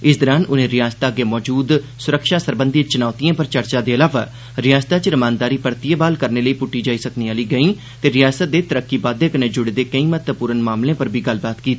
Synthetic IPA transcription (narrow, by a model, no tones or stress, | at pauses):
ɪsd̪əɾaːnʊnẽːɾɪjaːst̪aːəɡeːmɔːd͡ʒuːd̪ | sʊɾəkʃaːsəɾbə̃nd̪it͡ʃʊnaːt̪ijãːpəɾt͡ʃəɾt͡ʃaːd̪eːəlaːʋaː | ɾɪjaːst̪aːt͡ʃɾəmãːnd̪aːɾiːpəɾt̪ɪjebaːlkəɾneːləiːpʊʈːiːd͡ʒaːiːsəkniːaːliːɡəĩː | t̪eːɾɪjaːsət̪̚d̪eːt̪əɾəkːiːbaːd̪eːkənẽːd͡ʒʊɽed̪eːkəĩːmət̪əpuːɾənmaːmlẽːpəɾbʱiːɡəlbaːt̪kiːt̪aː